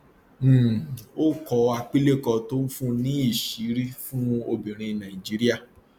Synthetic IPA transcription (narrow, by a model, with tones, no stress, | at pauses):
o˦kɔ˧a˧k͡pi˦le˦kɔ˧to˦n̩˦fũ˦nĩ˦i˦˨ʃi˨˦ɾi˦fũ˦o˧bĩ˨ɾ̃ĩ˧nã˨i˨d͡ʒi˨˦ɾi˦a˦˨